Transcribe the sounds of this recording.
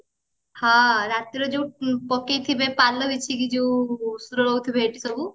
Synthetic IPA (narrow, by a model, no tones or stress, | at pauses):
hãɾat̪iɾɔd͡ʒeupɔkejt̪ʰibepalːɔbit͡ʃʰikid͡ʒeusuɾɔɭɔwt̪ʰibʱeːʈisɔbu